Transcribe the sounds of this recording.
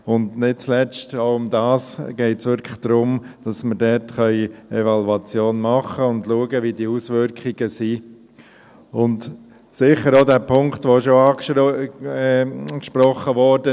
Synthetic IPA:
ʊndnɪt̚t͡slɛt͡stoʊʊmdɑːsɡ̥ɛɪtsʋʏɾkʰləχd̥ɾʊmd̥ɑsməɾdɛɾtχœʏevɑluɑt͡sjoːnmɑχəʊndluəɡəʋidiusʋʏɾkχiɡ̥əsi | ʊnt | sɪχəɾodæːpʰʊŋktʋoʃoɑː | kʃpɾɔχəʋɔɾdə

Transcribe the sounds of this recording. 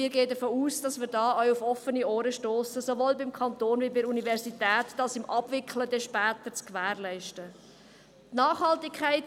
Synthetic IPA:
ɪːɾɡeːədəfoːuːsd̥ɑsmɪːɾdɑːœʏufɔfənioːɾəʃtoːsəsoʋoːlbɪmkʰɑntoːnvibɪɾunivɛɾsitɛːtdɑlsɪmʔɑb̥vɪkʰχlədɛʃpɛːt̪əɾt͡skvæːɾlɛɪʃtə | tnɑːχhɑltɪkʰːæɪt

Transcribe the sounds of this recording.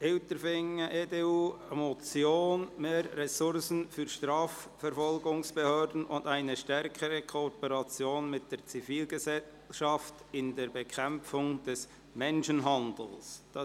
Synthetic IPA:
ɪltəɾfɪŋəʔedeːuːemot͡sjoːnmeːɾːɛsʊɾsən̩fyːɾʃtɾɑːfːɛɾfɔlɡʊŋsb̥ehøːɾdn̩ʊndaɪnəʃtɛɾkʰəɾəkʰopəɾɑt͡sjoːnmɪt̚d̥eːɾt͡sifiːlɡəzɛ | ʃɑftɪndeːɾbɛkʰɛmp͡fʊŋd̥ɛs | mɛnʃənɦɑndl̩sd̥ɑ

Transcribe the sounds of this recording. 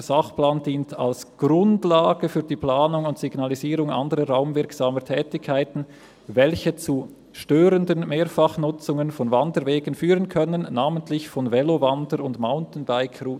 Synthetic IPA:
z̥aχplaːndiːntʰa̰lsɡ̥ʁʊndlaːɡ̥əfyːɐdiːpl̥aːnʊŋʊntsiɡ̥naliziːʁʊŋɑ̰ndəʁəʁaʊmvɪɐksaːmətʰɛːtɪkʰːaɪtn̩ | vɛlçət͡su | ʃtøːʁəndənmeːɐfɑχnʊt͡sʊŋənfɔnvandəɾveːɡən̩fyːʁənkʰœnənːaːməntʰlɪçfɔnvɛlovandəɾʊndmaʊntn̩baɪkʰruː

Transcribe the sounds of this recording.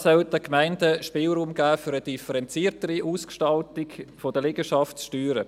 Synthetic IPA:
sœldəkmaɪndəʃpɪːlɾuːmɡæːfyːɾəd̥ifəɾɛnt͡siːɾtəɾiʔuːskʃtɑltɪɡfod̥əlɪɡəʃɑftsʃtyːɾə

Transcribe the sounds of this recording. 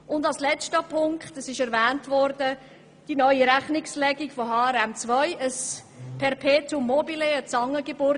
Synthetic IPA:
ʊndɑlslɛstəpʰʊŋkχtəsɪʃɛɾvæːntvɔɾdə | d̥inœʏiɾæχnɪkslɛɡikfoɦɑːɛɾɛmt͡svœʏəs | pʰɛɾpʰeːtʊmːɔbileət͡sɑŋːəɡebʊɾ

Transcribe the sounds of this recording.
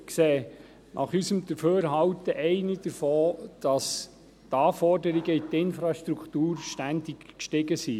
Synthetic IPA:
kseː | nʔɑ̰χysəmd̥̪əɾføːɾɦɑwt̪əʔɛɪnid̥əɾfɔːd̪̥ɑs | t̪ɑːfɔɾdəɾiɡəit̪ɪnfɾɑʃtɾukχt̪uːɾʃtænd̪ikkʃtɪɡəsi

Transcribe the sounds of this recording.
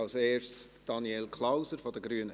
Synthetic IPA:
ɑlseːɹsd̥ɑnielkʰlaʊsəɾfɔdəɡɾyːənə

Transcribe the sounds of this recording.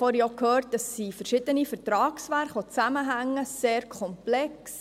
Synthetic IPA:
fɔɾjɔkʰhøːɾt̚d̥əsːifəɾʃɪd̥̪ənifəɾtɾɑːksʋæɾχɔt͡sæməɦæŋːəseːɾkʰɔmplɛks

